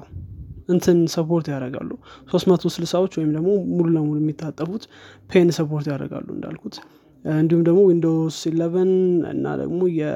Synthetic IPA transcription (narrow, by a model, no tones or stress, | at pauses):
ʔɨnt̪ʰɨnsəpʰo̞ɾt̪jaɾəɡa̰lːuso̞st̪mət̪ʰosɨlsawot͡ʃːwɔjɪmd̪əɡmo̞mululəmulujɛmːit̪ʰːat̪ʼːəfut̪pʰe̞nsəpʰo̞ɾt̪jaɾə̰ɡa̰lːuɨnd̪a̰lkʰut̪ | ɨnd̪ihumd̪əɡmo̞wind̪osilːəβənɨ̰nːa̰d̪ə̰ɡmo̞jɛ